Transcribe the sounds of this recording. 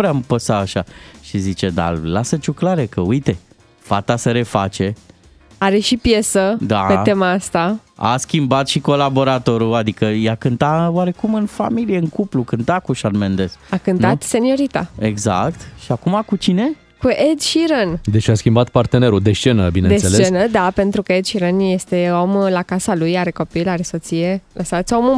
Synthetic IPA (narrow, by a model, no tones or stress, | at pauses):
vɾeampəsaːʃaʃizit͡ʃed̪a̰lasət͡ʃuklaɾekəujt̪e̞ | fat̪asəɾe̞fat͡ʃe̞ | aɾe̞ʃipje̞səd̪apee̞maast̪aa̰skʲimbat̪ʃiko̞labo̞ɾat̪o̞ɾuad̪ikəjakɨnt̪awaɾe̞kumɨnfa̰milije̞ɨŋkuplukɨnt̪akuʃanmend̪e̞sakɨnt̪at̪se̞nio̞ɾit̪a̰eɡza̰kt̪ʃiakumakut͡ʃine̞ | kuʔed̪ʃiɾənd̪et͡ʃaskʲimbat̪part̪ene̞ɾud̪est͡ʃe̞nəbinend̪esselet͡ʃenəd̪ape̞nt̪ɾukəed̪ʃiɾənje̞st̪e̞o̞mlakasalujaɾe̞ko̞pilaɾe̞so̞t̪sije̞lʔəsat̪sʲo̞mu